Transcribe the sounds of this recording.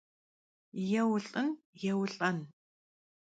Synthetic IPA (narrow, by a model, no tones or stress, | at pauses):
jɛwʊɬʼɨn | jɛwɬʼɐn